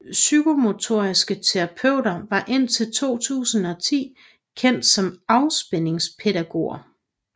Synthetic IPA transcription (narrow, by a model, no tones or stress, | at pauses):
syɡ̥o̝mo̝t͡sʰo̝̰ɐ̰isɡ̥ət͡sʰeʁɑ̈pʰøʊ̰ɾɐʋɑ̈ʔe̝n̰t͡sʰe̝lt͡sʰo̝̰ːt͡sʰṵːsn̩ɒ̽t͡sʰḭː | kʰen̰d̥sɒ̽mɑ̈ʊsb̥ene̝ŋspʰeɾæɡ̥o̝̰ɐ